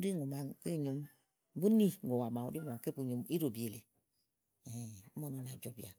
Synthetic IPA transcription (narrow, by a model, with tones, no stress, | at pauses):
u˦di˦ŋu˨ma˨ŋke˦˨ɲo˦m˦ | bu˦ni˦ŋ˨o˨wa˨ma˨ṵ˨˦di˦ŋu˨ma˨ke˦bu˨ɲo˨mi˦ɾo˨bi˨e˨le˨ | e˨u˦mo˦˨no˦na˨d͡ʒo˨˦bi˨a˨